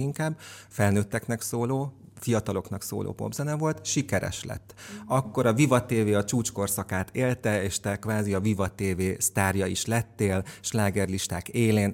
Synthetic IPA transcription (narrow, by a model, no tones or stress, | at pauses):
iŋkaːbːfɛlnøːt̪ːɛknɛksoːloːfijɒt̪ɒlo̞knɒkso̰ːlʔo̰ːpo̞̰bzɛnɛvo̞lt̪ʃikɛɾɛ̰ʃlɛ̰t̪ːɒkːo̞ɾɒvivɒt̪eːveːɒt͡ʃuːt͡ʃko̞rsɒkaːt̪ʰeːlt̪ɛeːʃt̪ɛkvaːziɒvivɒt̪eːveːst̪aːrjɒiʃlɛt̪ːeːlʃlaːɡɛrliʃt̪aːkeːleːn